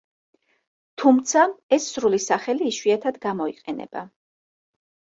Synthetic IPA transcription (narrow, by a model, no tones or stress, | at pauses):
t̪ʰumt̪sʰaɛsːɾulisaχɛliːʃwiat̪ʰad̪ɡamɔiqʼɛnɛ̰b̥a